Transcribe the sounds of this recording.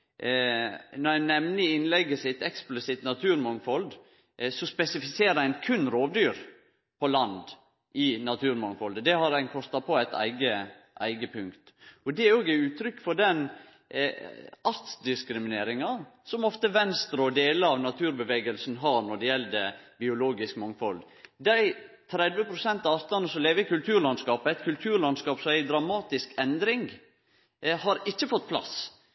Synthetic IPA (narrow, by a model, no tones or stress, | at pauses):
nɔɾæɪnɛmnəɪnlɛɡəsɪt̪ɛksplɪsɪt̪nɑt̪ʰʉːɾmɔŋfɔld̪ | sɔspɛsɪfɪseːɾəæɪnkʰʉnːɾoːʋd̪yːɾ | pʰɔlɑnd̪ | ʔɪnɑt̪ʰʉːɾmɔŋfɔld̪əd̪ɛhɑɾæɪnkʰɔst̪ɑpʰɔæɪt̪æ̰ɪɡə | ʔæ̰ɪɡəpʰʉŋkt̪ɔd̪ɛɾoːɡæʉːt̪ʰɾʏkːfɔɖɛn | ɑɾt̪sd̪ɪskɾɪmɪneːɾɪŋɑsɔmɔft̪əʋɛnst̪ɾəɔd̪eːləɾɑʋnɑt̪ʰʉːɾbəʋeːɡəlsn̩ɦɑɾnɔɖɛjɛlːd̪ɛbɪʊloːɡɪskmɑŋfɔl | d̪æɪ | t̪ʰɾɛd̪ʋəpʰɾʊsɛnt̪ɑɑɾt̪ɑnəsɔmleːʋəɪkʉlt̪ʰʉːɾlɑnskɑːpæɪt̪kʰʉlt̪ʰʉːɾlɑnskɑːpsɔmæɪd̪ɾɑmɑːt̪ɪskɛnd̪ɾɪŋɡ | hɑɾɪt͡ʃːəfɔt̪̚ːpʰlɑ̰s